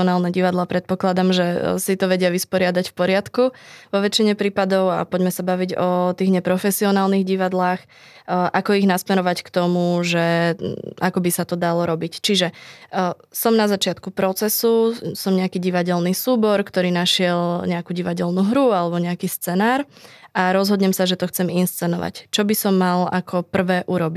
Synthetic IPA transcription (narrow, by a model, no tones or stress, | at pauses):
ɔnaːlnɛɟiʋad̪lapɾɛt̪̚pɔklad̪amʒɛsit̪ɔʋɛɟɪaʋispɔɾɪad̪acfpɔɾɪat̪kuʋɔʋɛt͡ʃiɲɛpɾiːpad̪ɔʊa̰pɔɟmɛsabaʋiɟɔt̪iːɣɲɛpɾɔfɛsiɔnaːlniɣɟiʋad̪laːx | ʔakɔiɣnasmɛɾɔʋackt̪ɔmuʒɛ | a̰kɔbisat̪ɔd̪alɔɾɔbict͡ʃiʒɛ | sɔmnazat͡ʃɪat̪kupɾɔt͡sɛsusɔmɲɛakiːɟiʋaɟɛlnisuːbɔɾkt̪ɔɾiːnaʃɪɛlɲɛakuɟiʋaɟɛlnuɦɾualɛbɔɲɛakiːst͡sɛnaːɾʔaɾɔzɦɔd̪ɲɛmsaʒɛt̪ɔxt͡sɛminst͡sɛnɔʋa̰ct͡ʃɔbisɔmːala̰kʰɔpr̩ʋɛːʔuɾɔbi